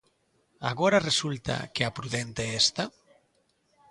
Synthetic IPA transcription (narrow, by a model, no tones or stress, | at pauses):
a̰ɣoɾaresult̪a̰keapɾuðent̪eest̪a